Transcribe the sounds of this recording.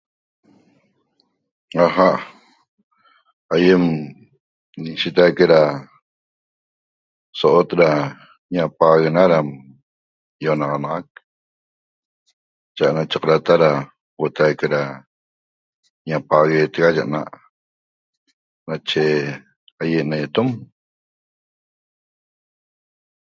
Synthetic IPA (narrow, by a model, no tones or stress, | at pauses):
aɦaʔ | ajem | niʃet̪ajkeɾa | soʔot̪ɾa | ɲapaɣenaɾam | jonɑʁɑnɑʁak̚ | t͡ʃaʔnat͡ʃaqɾat̪aɾa | wot̪ajkeɾa | ɲapaɣet̪eɣaʒa̰ʔna̰ʔ | nat͡ʃe | ajeʔnet̪om